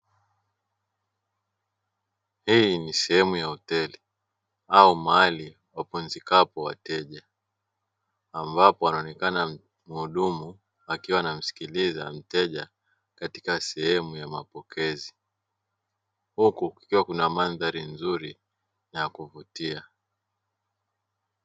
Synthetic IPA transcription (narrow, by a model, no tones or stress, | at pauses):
hinisɛhɛmujahɔtɛli | aumali | wapunzikapɔwa̰tɛʄa | mbapɔanaɔnɛkana | muɗumu | akiwaːnam̩si̥kilizam̩tɛʄa | kati̥kasɛhɛmujamapɔkʰɛzi | hukuki̥kiwakunamanðaɾinzuɾi | njakuvutia